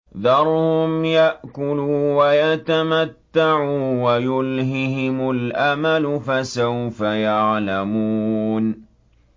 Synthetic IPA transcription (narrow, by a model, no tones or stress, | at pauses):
ðɑɾˤhʊmjaʔkʊluːwajat̪amat̪ːaʕuːwajʊlɦɪɦɪmʊlʔamalʊfasawfajaʕlamuːn